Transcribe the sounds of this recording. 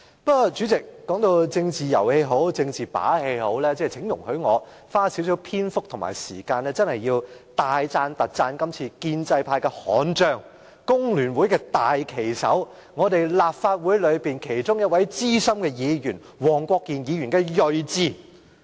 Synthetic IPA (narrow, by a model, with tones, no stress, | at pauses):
pɐ˥kːɔ˧t͡ʃy˨˥t͡sɪ˨k̚ːɔː˨˥ŋt̪o˧wt͡sɪ˧ŋt͡siː˨˩jɐ˨˩whe˧jɦo˨˥wt͡sɪ˧ŋt͡siː˨pa̰ː˨˥he˧jho˨˥wlɛː˥t͡sɛː˥˧˩t͡sʰɪ˨˥ŋjʊ˨˩ŋhɵ˨˥ɥŋɔː˨˧ | faː˥si˨˥wsi˨˥wpʰiː˥nfʊ˥k̚t̪ʰʊ˨˩ma̰ː˨˩jsḭː˨˩kaː˧nɛː˥t͡sɐ˥nhɐ˨jːiː˧wt̪aː˨jt͡saː˧nt̪ɐ˨t̚t͡saː˧nkɐ˥mt͡sʰiː˧kiː˧nt͡sɐ˧jpʰaː˧jkɛː˧hɔː˨˥nt͡ʃœː˧ŋ | kʊ˥ŋlyː˨˩nwu˨˥jkɛː˧t̪aː˨jkʰe˨˩jsɐ̰˨˥w | ŋɔː˨˧t̪e˨˩jlaː˨p̚faː˧t̚wu˨˥jlɵ˨˧ɥpiː˨nkʰe˨˩jt͡sʊ˥ŋjɐ˥t̚wɐ˨˥jt͡siː˥sɐ˥mkɛː˧jiː˨˧jyː˨˩n | wɔː˨˩ŋkʷɔː˧kːiː˨njiː˨˧ɥyː˨˩nkɛː˧jɵ˨˧ɥt͡siː˧˩